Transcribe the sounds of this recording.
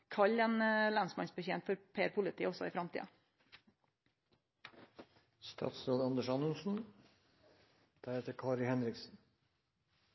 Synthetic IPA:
kʰɑʎɛnlɑnsmɑnsbəçeːnt̪fɔɾpʰeːəɾpʰʊlət̪ʰiːəɔsɔiːfɾɑmt̪ḭə | st̪ʰɑ̰ːt̪sloːd̪ɑnd̪əʃɑnʉnsn̩ | d̪̥æɾeːt̪əɾkʰɑːɾɪhɛnɾɪksn̩

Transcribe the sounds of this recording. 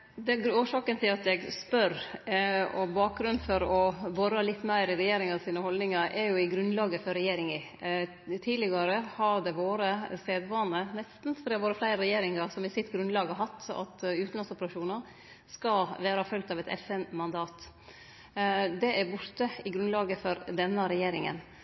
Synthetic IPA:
d̪ɛɡoːʂɑːkənt̪ʰɪlɑt̪jɛɡspœɾ | ɔbɑːk̚ɡɾʉnfɔɾɔbɔɾːɑlɪt̪ːmæɪɾɪɾɛjeːɾɪŋɑʋsiːnəhɔlnɪŋɑɾʔɛɾjʊɪɡɾʉnlɑːɡəfɔɾɛjeːɾɪŋɪ | t̪ʰiːlɪɡɑɾəhɑd̪ɛʋoːɾəst̪eːd̪ʋɑːnənɛst̪n̩fɾeʋoːɾəflæɪɾəɾɛjeːɾɪŋɑɾsɔmɪsɪt̪ɡɾʉnd̪lɑːɡɑɦɑt̪ːɑ̰t̪ʉːt̪n̩lɑnsʊpəɾɑʂuːnɑɾ | skɑʋæːɾɑfœlɡ̚t̪ɑʋɛt̪ʰɛ̰fɛnmɑnd̪ɑːt̪ | d̪ɛʔæɾbʊɾt̪əɪɡɾʉnlɑːɡəfɔɾd̪ɛnːəɾɛjeːɾɪŋə̰n

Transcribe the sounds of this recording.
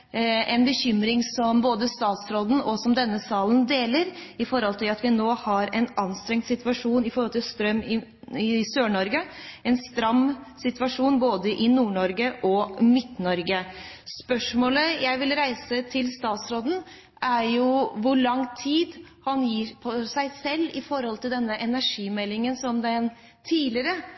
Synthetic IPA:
ɛnbəçʏmɾɪŋsɔmboːd̪əst̪ɑːt̪sɾoːd̪n̩ɔsɔmd̪ɛnːəsɑːlnd̪eːləɾɪfɔɾhɔlt̪ʰɪlɑt̪ʋɪnoːhɑɾɛnɑnːst̪ɾɛŋt̪sɪt̪ʋɑʂuːnɪfɔɾhɔlt̪ʰɪlst̪ɾœmːɪ | ɪsøːɳɔɾɡəɛnst̪ɾɑmːsɪt̪ʋɑʂuːnboːd̪əʔɪnuːɳɔɾɡəʔɔmɪt̪nɔɾɡə | spœʂmoːləjæɪʋɪlɾæɪsət̪ʰɪlst̪ɑːt̪sɾoːd̪n̩ | ʔæɾjʊʋʊɭɑŋːt̪ʰiːd̪hɑnjiːɾpʰɔsæɪsɛlːɪfɔɾhɔlt̪ʰɪld̪ɛnːəʔɛnæʂiːmɛlːɪŋənsɔmd̪ɛn | t̪ʰiːlɪəɾə

